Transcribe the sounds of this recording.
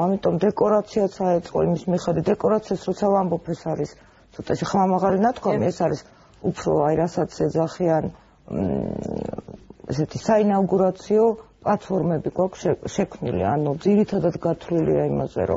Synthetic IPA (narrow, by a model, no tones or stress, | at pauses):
amit̪ʼɔmd̪ɛkʼɔɾat̪sʰiat̪sʰaɛt̪sʼqʼɔ̰ḭmismiχɛd̪wit̪d̪ɛkʼɔɾat̪sʰiasɾɔt̪sʰavambɔpʰɛsaɾis | t̪sʰɔt̪ʼaʃiχmamaʁalinat̪̚ʰkʰwamiɛsaɾis | upʰɾɔ̰aiɾasat̪sʰɛd̪zaχian | ɛ̰sɛt̪ʰisainaɡuɾat̪sʰiɔpʼlat̪ʰfʰɔɾmɛbiɡwakʰʃɛʃɛkʰmnḭlḭa̰nud̪ziɾit̪ʰad̪at̪ɡat̪ʰlilḭaima̰zɛ̰ɾɔ̰